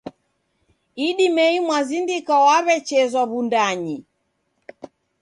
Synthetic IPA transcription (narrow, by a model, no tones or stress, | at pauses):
iɗimɛimwazindikawaβɛt͡ʃɛzaβundaɲi